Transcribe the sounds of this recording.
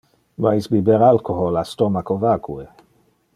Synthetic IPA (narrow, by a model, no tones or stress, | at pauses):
maisbibeɾalkoɦolast̪omakovakʰue